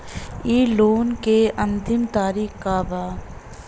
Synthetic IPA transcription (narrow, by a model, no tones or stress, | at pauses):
iːloːnkeə̃nt̪ɪmt̪aːɾiːkkaːbaː